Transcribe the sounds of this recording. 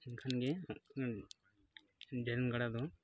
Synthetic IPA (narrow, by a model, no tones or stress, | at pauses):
inkʰanɡɛ | ɖɛɾnɡaɽad̪ɔ